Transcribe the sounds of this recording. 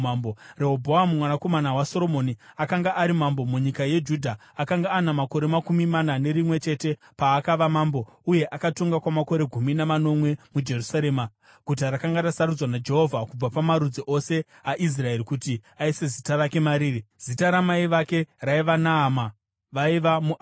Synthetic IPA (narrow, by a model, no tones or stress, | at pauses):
moreɦobʱoamumwanako̞manawaso̞ɾo̞mo̞niakaŋɡaʔːɾimambo̞muɲikaje̞d͡ʒudʱaakaŋɡaːnamako̞ɾe̞makumimanane̞ɾimwe̞t͡ʃe̞te̞ | paːkaʋamambo̞uje̞ʔakatoŋɡakwamako̞ɾe̞ɡʱuminamano̞mwe̞mud͡ʒe̞rusaɾe̞ːma | ɡ̥ʱut̬arakaŋɡarasaɾud͡zwanad͡ʒe̞ɦo̞vʱakub͡vapamaɾud͡ziʔo̞se̞ | aʔis̬rae̞rikutiaise̞zitarake̞maɾiːriz̥itaɾamaiʋake̞raiʋanaːma | ʋaiʋamu